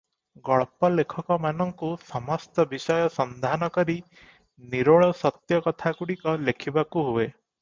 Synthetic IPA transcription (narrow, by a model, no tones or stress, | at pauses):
ɡɔɭpɔlekʰɔkɔmanɔŋkusɔmɔst̪ɔbisɔjɔsɔnd̪ʱanɔkɔɾi | niɾoɭɔsɔt̪jɔkɔt̪ʰakuɽikɔlekʰibakuɦue